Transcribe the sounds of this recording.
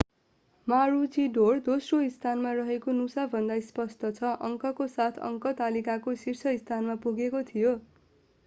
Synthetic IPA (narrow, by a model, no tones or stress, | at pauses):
maɾut͡siɖord̪osroist̪ʰanmarʌɦekonusabʱʌnd̪ajspʌst̪ʌt͡sʰʌʔʌŋkʌkosat̪ʰʌ̰ŋkʌt̪alikakosirt͡sʰʌist̪ʰanmapuɡekot̪ʰijo